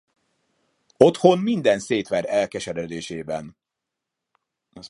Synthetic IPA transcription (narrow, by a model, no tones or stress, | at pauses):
o̞t̪ho̞nmind̪ɛnseːt̪ʋɛɾɛlkɛʃɛd̪ɛd̪eːʃeːbɛn